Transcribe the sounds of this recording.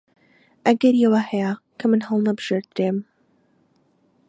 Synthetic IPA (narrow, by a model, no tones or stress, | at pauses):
ʔɐɡɐɾijɛwɐhɛja | kʰɐmɨnɦɐlˠnɐbɨʒ̥eɾd̪ɾeːm